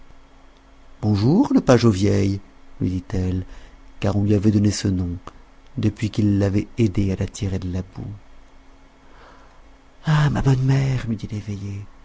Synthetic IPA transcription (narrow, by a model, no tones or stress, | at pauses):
b̥ɔ̃ʒuʁləpaʒovjɛjlɥḭd̪it̪ɛlkaʁɔ̃lɥiavɛd̪ɔnesənɔ̃d̪əpɥikilːavɛed̪ealat̪ʰiʁed̪əlabṵ | amabɔnmɛʁmid̪ileveje